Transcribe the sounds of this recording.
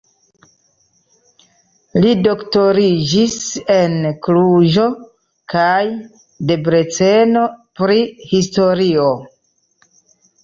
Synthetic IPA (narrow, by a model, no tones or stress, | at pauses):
lido̞kto̞ɾid͡ʒise̞nkluʒo̞ | kaj | de̞bɾe̞t͡se̞no̞pɾihisto̞ɾio